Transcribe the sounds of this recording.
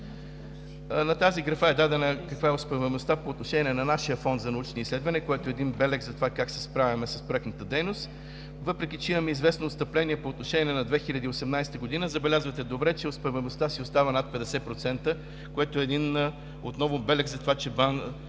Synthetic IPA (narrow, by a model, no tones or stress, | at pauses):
nɐt̪aziɡɾɐfaɛd̪ad̪ɛnəkɐkvaɛospɛvɛmost̪apoːt̪noʃɛnʲiɛnɐnaʃijəfɔnd̪zɐnɐut͡ʃnislɛd̪vɐnɛkoɛt̪oɛd̪inbɛlɛkzɐt̪ovakaksɛspɾavʲɐmɛsɐspɾoɛknət̪əd̪ɛjnost̪ | vɤpɾɛk̟it͡ʃɛimɐmɛizvɛsnoːst̪əplɛniɛpoːt̪noʃɛnʲiɛnɐd̪vɛxilʲɐd̪iosɛmnajsɛ̥t̪əɡod̪inəzɐbɛlʲazvət̪ɛd̪obɾɛt͡ʃɛospɛvɛmost̪asiost̪avənat̪̚pɛd̪ɛsɛpɾot̪sɛnt̪ə | koɛt̪oɛːd̪in | ot̪nɔvʊbɛlɛkzɐt̪ovat͡ʃɛban